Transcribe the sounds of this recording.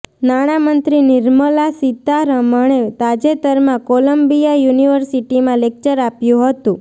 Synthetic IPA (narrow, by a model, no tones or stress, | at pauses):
naɽ̃amənt̪ɾiniɾməlasit̪aɾəməɳ̃et̪ad͡ʒet̪əɾmãkoləmbijajuniʋəɾsiʈimãlek̚t͡ʃəɾapjũɦət̪ũ